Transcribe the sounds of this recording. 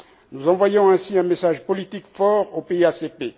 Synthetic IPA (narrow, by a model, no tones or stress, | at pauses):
nuzɑ̃vwajɔ̃ɛ̃siɛ̃mesaʒpɔlit̪ikfɔʁopeiasepe